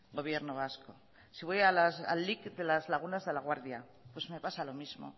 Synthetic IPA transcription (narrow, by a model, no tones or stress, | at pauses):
ɡo̞βje̞ɾnoβ̞asko̞̰ | siβo̞jalasa̰lːikd̪e̞lazlaɣ̞unazðe̞laɣ̞waɾðja | pwe̞zme̞pasalo̞mizmo̞̰